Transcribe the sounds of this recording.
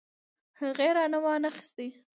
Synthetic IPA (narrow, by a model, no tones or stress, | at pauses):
haɣeɾɑnawɑnaxɪ̥st̪i